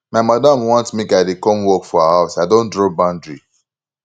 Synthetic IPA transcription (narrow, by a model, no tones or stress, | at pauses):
maɪmadãmwɔ̃ntmekaɪdekɔ̃mwɔkfɔahaʊsaɪdõndɹobãndɹi